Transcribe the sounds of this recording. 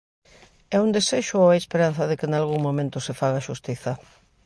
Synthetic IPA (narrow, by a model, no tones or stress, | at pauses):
ɛund̪eseʃʊoaespeɾan̟θɐðɪkɪnalɣuŋmõmẽnt̪ʊsɪfaɣaʃust̪iθɐ